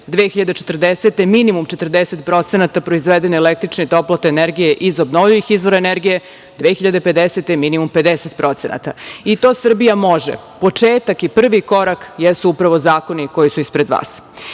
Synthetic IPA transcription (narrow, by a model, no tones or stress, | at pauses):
d̪ʋeːxiʎad̪et͡ʃet̪r̩d̪eset̪e̞minimumt͡ʃet̪r̩d̪eset̪pɾo̞t̪senat̪apɾoizʋed̪eneːlek̚t̪ɾit͡ʃneit̪o̞plˠot̪eːneɾɡije̞ʔizobnoʋʎujixizʋo̞ɾaeneɾɡije̞ | d̪ʋeːxiʎad̪e̞pe̞d̪eset̪e̞minimumpe̞d̪eset̪̚pɾo̞t̪senʔa̰t̪a̰it̪o̞ːsr̩bijamo̞ʒḛ | po̞t͡ʂeːt̪akipr̩ʋiko̞ɾakjɛsuupɾaʋo̞zaːko̞niko̞jisuispɾed̪ʋa̰ːs